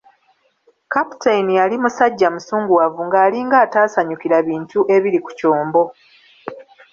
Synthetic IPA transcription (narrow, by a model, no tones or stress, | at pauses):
kapu̥tʰainijalimusaɟːamusuːŋɡuwavuŋɡaːliŋɡaːtaːsaɲukiɾaβiːntuʔe̞βiɾiku̥coːmbo̞